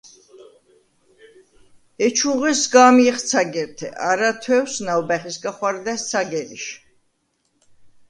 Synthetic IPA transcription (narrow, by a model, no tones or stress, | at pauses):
ɛt͡ʃʰuʁɛsɡamjɛχt̪sʰaɡɛɾt̪ʰɛ̰ʔaɾat̪ʰwɛwsnawbɛχisɡaχwaɾd̪ɛst̪sʰaɡɛɾḭʃ